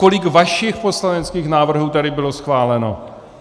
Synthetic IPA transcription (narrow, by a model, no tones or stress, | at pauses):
ko̞lɪkvaʃɪxpo̞slanɛt͡skiːxnaːvr̩ɦuːt̪ɛdɪbɪlo̞sxvaːlɛno̞̰